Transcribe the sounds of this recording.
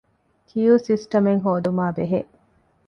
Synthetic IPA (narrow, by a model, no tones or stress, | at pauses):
kʰijuːsisʈɐmeŋɦoːd̪umaːbeɦeʔ